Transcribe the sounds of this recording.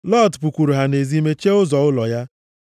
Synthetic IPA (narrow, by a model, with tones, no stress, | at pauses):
lɔ˦˨dpu˨kʷu˨ɾu˨ɦa˨ne˨zi˦me˦t͡ʃe˦ʊ˦zɔ˨ʊ˦lɔ˨ja˦